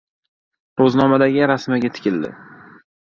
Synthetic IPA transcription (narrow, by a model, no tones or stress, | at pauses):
ɾoznɒmad̪aɡʲɪɾasmaɡʲat̪ʰɪ̥kʲɪld̪ɪ̰